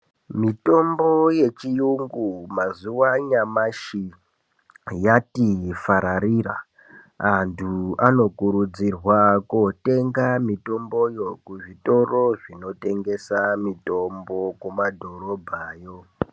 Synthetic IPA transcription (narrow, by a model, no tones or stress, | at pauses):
mito̞mboje̞t͡ʃijuŋɡumazuwaɲamaʃi | jatifaɾaɾira̰ | antʰuano̞kuɾud͡zirwakote̞ŋɡamito̞mbo̞jo̞kuʐito̞ro̞ʐino̞te̞ŋɡe̞samito̞mbo̞kumadʱo̞ɾo̞bʱaːjo̞